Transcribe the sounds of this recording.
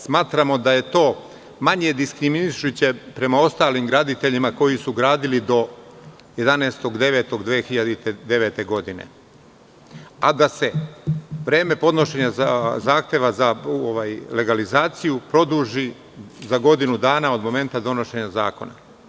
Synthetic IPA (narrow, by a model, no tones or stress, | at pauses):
smaːt̪ɾamo̞d̪aje̞t̪o̞ː | maɲe̞d̪iskɾiminiʃut͡ɕe̞pɾe̞mao̞st̪aːlimɡɾaːd̪it̪e̞ʎimako̞jisuɡɾaːd̪ilid̪o̞ | je̞d̪aneːst̪o̞ɡd̪e̞ʋe̞ːt̪o̞ɡd̪ʋeːxiʎad̪it̪ed̪e̞ʋeːt̪e̞ɡo̞d̪ine̞̰ | ad̪ase̞ | ʋɾe̞ːme̞po̞d̪no̞ʃe̞ɲazaːxt̪je̞ʋazaoʋaːjle̞ɡalizaːt̪sijupɾo̞d̪uʒi | zaɡo̞d̪inud̪aːnao̞d̪mo̞me̞nt̪ad̪o̞no̞ʃe̞ɲaza̰ːko̞̰na̰